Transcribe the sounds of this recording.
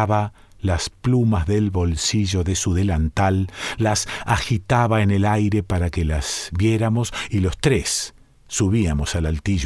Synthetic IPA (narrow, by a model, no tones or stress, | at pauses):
βa | lasplumazðe̞lβo̞lsiʒo̞ðesuðe̞lant̪alːasaxit̪aβaenelajɾe̞paɾakelazβje̞ɾamo̞silo̞st̪ɾesː | uβiamo̞salalt̪iʒ